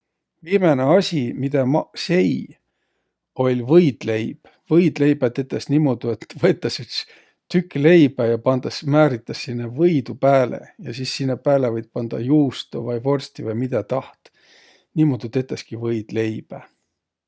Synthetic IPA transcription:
viːmeneɑsʲimid̪̥ɑse̞j | o̞lʲvɤjd̪̥le̞jb̥ | vɤjd̪le̞jb̥æt̪ːet̪ːˑesnimod̪̥ue̞t̪ːvɤet̪ːˑɑsyt̪s | t̪ykːˑle̞jb̥æjɑpɑnd̪ɑsmæːɾit̪ˑːɑsːinːevɤjd̪upæːlʔḛjɑsisːinːepæːlevɤjd̪̚pɑnd̪̥ɑ̰juːst̪ovɑjvo̞rsʲt̪ivɑjmid̪̥ɑt̪ɑht̪ | nimod̪̥ut̪ːet̪ːˑeskivɤjd̪̥le̞jb̥æ

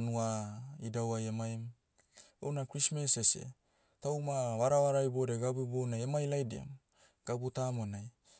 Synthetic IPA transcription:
nuaidawajemajm | o̰wnakɾismesesḛ | tawmaβaɾaβaɾajbodeɡabubonajemajlajdia̰m | ɡ̥abutamonaj

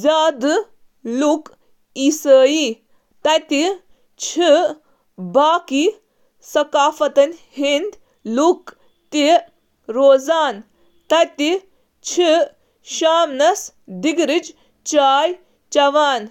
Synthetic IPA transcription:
zaːd̪ɨ | luk | isəːji | t̪ɐjt̪i | t͡ʃʰi | baːki | sɐkaːfɐt̪ɐnhind̪ | luk | t̪i | ɾoːzaːn | t̪ɐjt̪i | t͡ʃʰi | ʃaːmnɐs | d̪iɡɾid͡ʒ | t͡ʃaːj | t͡ʃɐʋaːn

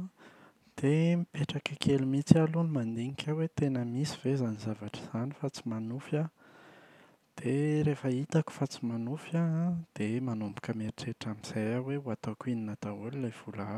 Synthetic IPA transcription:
d̪̥emipeʈ͡ʂakakʰelumit͡sialunimand̪iŋikʰʲawet̪enəmisiv̥ezanizavaʈ͡ʂə̥z̥anifat͡si̥manufa | d̪̥eɾefəit̪aku̥fat͡si̥manufjad̪̥emanumbu̥kəmeɾiʈ͡ʂeʈ͡ʂamiz̥ajaweuat̪okininat̪aullav̥ula

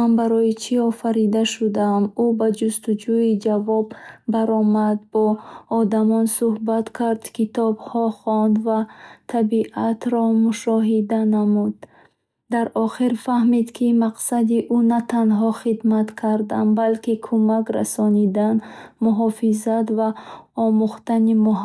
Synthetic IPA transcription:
anbaɾɔjit͡ʃʰiɔfaɾid̪aʃud̪aːmubad͡ʒust̪ud͡ʒuid͡ʒavɔbːaɾɔmad̪̚bɔːd̪amɔnsuhbat̪kʰaɾd̪kʰit̪ɔbhɔχɔnd̪vat̪ʰabiʔat̪ɾɔmuʃɔɦid̪anamud̪ː | aɾʔɔχiɾfahmid̪kʰimaqsad̪iʔunat̪ʰanɦɔχid̪mat̪kʰaɾd̪anbalkikʰumakɾa̰sɔnid̪anmuɦɔfizat̪vaɔmuχt̪animu

